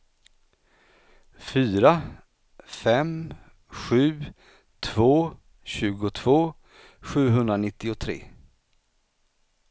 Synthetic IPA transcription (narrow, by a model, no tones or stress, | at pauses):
fyːɾa | fɛm | ɧʉ̟ː | t̪ʰv̥oː | ɕʉ̟ːɡʊt̪ʰv̥oː | ɧʉ̟ːɦɵnd̪ɾanɪt̪ːɪʊt̪ʰɾḛː